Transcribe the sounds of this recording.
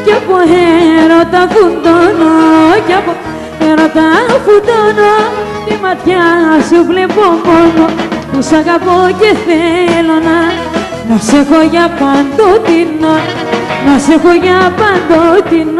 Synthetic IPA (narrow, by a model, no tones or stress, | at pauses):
kapoɦeɾot̪afund̪onokapo | eɾot̪afund̪onot̪emat̪jaasuplepomonopusakapokeθelona | nasekojapand̪ot̪ina | nasekojapand̪ot̪ino